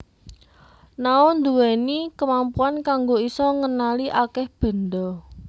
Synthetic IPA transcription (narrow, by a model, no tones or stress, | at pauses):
naʊnd̪uwɛnikəmampuankaŋɡoisɔŋənaliʔakɛhb̥ə̤nd̪ɔ